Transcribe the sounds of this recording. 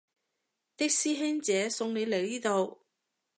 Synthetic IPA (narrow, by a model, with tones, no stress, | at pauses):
t̪ɪ˥k̚siː˥ɦɛː˥ŋt͡sɛː˨˥sʊ˧ŋne˨˧jle˨˩jliː˥t̪o˨w